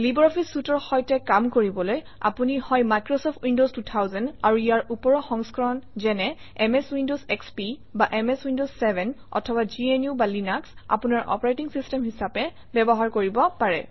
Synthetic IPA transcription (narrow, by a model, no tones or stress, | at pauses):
libɔɹɔpʰisːutɔɹxɔjtɛkamkoɹibɔloj | a̰punihɔjmajkɹɔsɔpʰtʰwindostutʰawzɛnaɹuijaɹupɔɹɔxɔŋskɔɹɔnzɛnɛ | ɛmeswindozɛkspibaʔɛmɛswindozːɛbʱɛnɔ̰tʰɔbad͡ʒienjubalinaksa̰punaɹʔɔ̰pɔɹajtiŋsistɛmɦisapɛ | bɛbɔɦaɹkoɹibɔpaɹɛ̰